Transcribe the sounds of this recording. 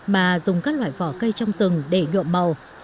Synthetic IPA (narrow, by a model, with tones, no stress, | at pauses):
maː˨˩zʊ˨˩ŋ͡mkaː˦˥k̚lwa̰ː˧˨jvɔ˧˩kə˧jt͡ɕɔ˧wŋ͡mzɨ˨˩ŋɗe˧˩ɲṵ˧˨əmmə˨˩w